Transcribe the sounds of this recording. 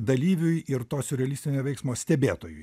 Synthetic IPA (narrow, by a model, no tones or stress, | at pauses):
d̪ɐlʲiːʋʲʊjɪɾt̪oːsʲʊɾʲɛɐlʲisʲt̪ʲɪnʲoːʋʲɛɪksmoːsʲt̪ʲɛbʲeːt̪oːjʊj